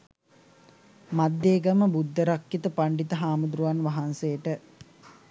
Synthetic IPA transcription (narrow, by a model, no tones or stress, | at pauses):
mad̪ːeːɡəməbud̪ːəɾakjət̪əpaɳɖit̪əɦaːmud̪ɾuʋanʋaɦansejəʈə